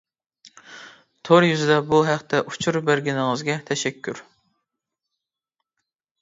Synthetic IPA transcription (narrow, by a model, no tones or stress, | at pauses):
t̪ʰoɾjyzɪd̪ɛbuɦæqt̪ʰɛʔut͡ʃʰuɾbæɾɡʲinɪŋəzɡʲɛt̪ʰɛʃɛkʲʰːyɾ